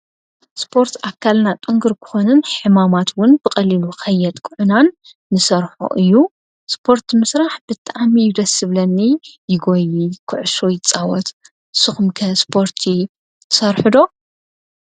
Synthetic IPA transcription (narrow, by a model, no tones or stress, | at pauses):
spʰo̞ɾt̪ʰakʰːalnat̪ʼoŋɡɨɾkʰɨ̥xo̞nɨnħɨmamat̪wʊnbɨkʼɐliluxɐjɛd̪kʼʊʕʊnanː | ɨsɐɾħo̰ʔɨjːu | spʰo̞ɾt̪mɨsɾaħb̥ɨt̪ʼamijɪd̪ɐsɨβlɐnːijɪɡojikʰɨʕʊʃojɪt͡sʼawɔt̪ | sɨxumkʰɐspʰo̞ɾt̪ʰi | t̪ʰɨsɐɾħɨd̪o̞